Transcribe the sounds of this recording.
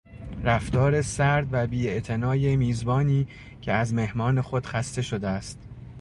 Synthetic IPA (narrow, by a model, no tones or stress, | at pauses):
ɾæft̪ɒːɾe̞sæɾd̪væbiːe̞ʔt̪ʰe̞nɒːjemiːzbɒːniː | cʰe̞æzme̞hmɒːne̞xo̞d̪̥xæst̪e̞ʃo̞d̪eæst̪